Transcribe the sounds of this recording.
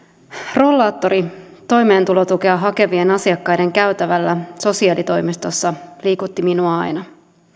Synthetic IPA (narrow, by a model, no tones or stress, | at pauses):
ro̞lːɑːt̪ːo̞ɾit̪o̞jme̞ːnt̪ulo̞t̪ukeɑɦɑke̞ʋie̞nɑsiɑkːɑjde̞ŋkæyt̪æʋælːæso̞siɑːlit̪o̞jmist̪o̞sːɑliːkut̪ːiminuɑɑ̰jnɑ